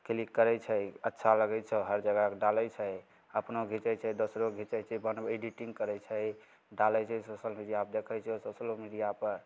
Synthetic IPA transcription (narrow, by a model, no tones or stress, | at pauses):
klikːəɾɛjt͡ʃʰəjətːʃʰaləɡɛjt͡ʃʰɛɦəɾd͡ʒəɡakɖalɛjt͡ʃʰəj | əpnoɡʱit͡ʃəjt͡ʃʰɛjd̪osɾoɡʱit͡ʃət͡ʃʰɛbənbeɖiʈĩŋɡkəɾɛt͡ʃʰəj | ɖaləjt͡ʃʰɛjsosəlmiɖijap̚d̪ekʰəjt͡ʃʰɛososəlomiɖijapəɾ